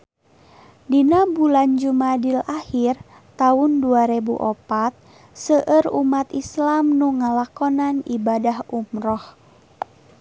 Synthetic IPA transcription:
dinabuland͡ʒumadilahir | t̪aunduaɾɛbṵʔɔpat̪̚ | səʔəɾumat̪islamnuŋalakɔnanibadahumɾɔh

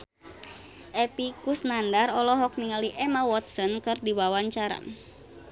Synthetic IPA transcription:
ʔɛpikusnandarɔlɔɦɔk̚niŋaliʔɛmawɔt̪̚sɔnkɨrdiwawaɲt͡ʃaɾa̰n

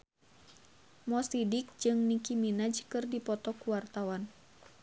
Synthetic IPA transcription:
mɔsidik̚d͡ʒɨŋnikiminad͡ʒkɨrdipɔt̪ɔkuwart̪awan

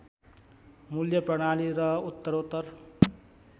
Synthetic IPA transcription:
muljʌprʌɽ̃aliɾʌut̪ːʌɾot̪ːʌr

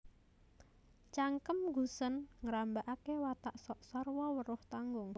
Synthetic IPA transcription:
t͡ʃaŋkəmɡṳsənŋɾambaʔakewat̪aʔsɔʔsɔrwɔwəɾʊht̪aŋɡʊŋ

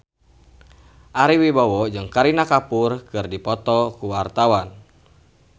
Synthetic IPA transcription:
ʔaɾiwibawɔd͡ʒɨŋkaɾinakapurkɨrdipɔt̪ɔkuwart̪awan

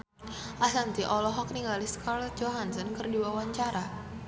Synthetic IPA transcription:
ʔasaŋt̪iʔɔlɔɦɔk̚niŋɡaliskarld͡ʒoɦansɔnkərdiwawaɲt͡ʃaɾa

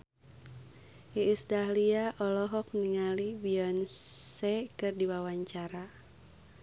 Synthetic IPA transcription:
iːsdahliaʔɔlɔɦɔk̚niŋalibiɔnsɛkɨrdiwawaɲt͡ʃaɾa

